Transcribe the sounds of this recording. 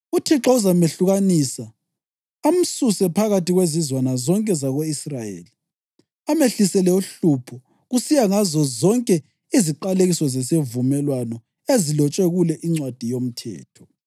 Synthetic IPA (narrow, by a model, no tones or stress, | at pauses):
utʰiǁauzameɬuɣanisa | am̩susɛpʰaɣatiɣwezizwanazɔŋkʼɛzaɣoisrajḛːli | ameɬisɛlɛuɬupʰɔ | ɣusijaŋazɔzɔŋkʼɛ | iziǃaleɣisɔzɛsevumɛlwanɔ | ezilɔt͡ʃʼeɣulɛʔiŋ͡ǀwad̥ʱijom̩tʰɛ̰ːtʰɔ̥